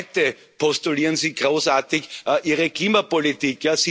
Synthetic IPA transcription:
tə | pʰɔstuliːʁənsiːɡʁoːsaːɐt̪ɪçʔiːʁəkliːmapolit̪iːkjasi

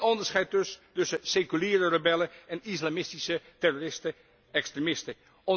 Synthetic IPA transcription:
ɔndəɹsχɛjt̚østɵsəsekyliːɾərəbɛləɛnislamɪstisətɛrorɪstə | ɛkstremɪstə | ɔ

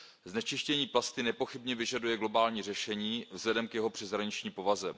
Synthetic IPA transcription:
znɛt͡ʃɪʃcɛɲiːplast̪ɪnɛpo̞xɪbɲɛvɪʒadujɛɡlo̞baːlɲiːr̝ɛʃɛɲiːvzlɛdɛmkjɛɦo̞pr̝̥ɛzɦɾaɲɪt͡ʃɲiːmpo̞vazɛm

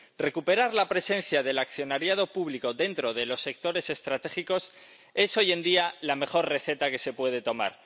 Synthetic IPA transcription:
re̞kupe̞ɾaɾlapɾe̞sẽ̞n̟θjaðe̞lakθjo̞naɾjað̞o̞puβliko̞ðe̞nt̪ɾo̞ð̞e̞lo̞sːe̞k̚t̪o̞ɾe̞se̞st̪ɾat̪e̞xiko̞s | e̞so̞je̞nd̪ialame̞xo̞rre̞θe̞t̪ake̞se̞pwe̞ð̞e̞t̪o̞ma̰ɾ

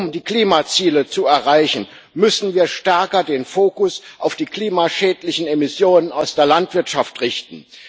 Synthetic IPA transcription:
ʊmdiːkl̥iːmat͡siːlət͡suɛɐʁaɪçn̩ | mʏsn̩viːɐʃtɛɐkɐdeːnfoːkʊsʔaʊfd̥iːkl̥iːmaʃɛːtlɪçn̩emɪsjoːnənaʊsd̥eːɐlantv̥ɪɐtʃaftʁɪçtn̩

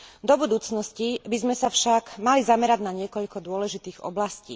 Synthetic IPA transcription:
d̪ɔbud̪uːt͡snɔscibizmɛsafʃaɡmalizamɛɾaɟnaɲɪɛkɔʎkɔd̪ʊɔlɛʒit̪iːɣɔ̰blascḭː

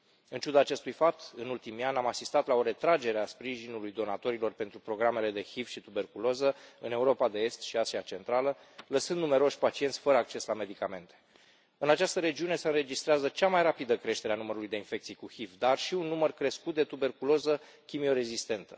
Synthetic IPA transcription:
ɨnt͡ʃud̪aːt͡ʃe̞st̪ujfap̚t̪ɨnult̪imianʲamasist̪at̪lao̞ɾe̞t̪ɾad͡ʒe̞ɾeaspɾiʒinulujd̪o̞nat̪o̞ɾilo̞rpe̞nt̪ɾupɾo̞ɡɾame̞le̞d̪e̞xifʃit̪ube̞rkulo̞zəɨne̞uɾo̞pad̪e̞e̞st̪ʃiasiat͡ʃe̞nt̪ɾalə | ləsɨnd̪nume̞ɾo̞ʃʲpat͡ʃiet̪sʲfəɾəak̚t͡ʃe̞slame̞d̪ikame̞nt̪e̥ | ɨnat͡ʃast̪əɾe̞d͡ʒiune̞se̞ɨnɾe̞d͡ʒist̪ɾeazət͡ʃamajrapid̪əkɾe̞ʃt̪eɾeanuməɾulujd̪einfe̞kt̪sijkuxifd̪arʃiunːumərkɾe̞skut̪̚d̪e̞t̪ube̞rkulo̞zə | kʲimio̞ɾe̞zist̪e̞nt̪ə̥

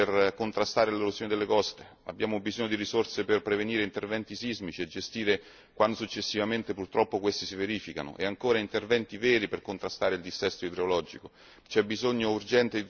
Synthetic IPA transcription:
erkont̪ɾast̪aːɾeleɾuzoːned̪elːekɔst̪e | a̰bjaːmobizoɲːod̪iɾisorseperpɾeveniːɾeint̪ervɛnt̪isizmit͡ʃied͡ʒest̪iːɾe | kwand̪osut͡ʃːesːivament̪epurt̪ɾɔpːokwest̪isiveɾiːfika̰no̰ʔḛaŋkoːɾaint̪ervɛnt̪ivɛːɾiperkont̪ɾast̪aːɾeild̪isɛst̪oid̪ɾeolɔd͡ʒiko | t͡ʃɛbːizoɲːourd͡ʒɛnt̪ei

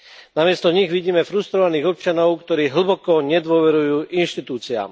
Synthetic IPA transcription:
namɪɛst̪ɔɲiɣʋiɟiːmɛfɾust̪ɾɔʋaniːɣɔp̚t͡ʃanɔʊkt̪ɔɾiːɦl̩bɔkɔɲɛd̪ʋɔʋɛɾujuːʔinʃt̪it̪uːt͡sia̰ːm

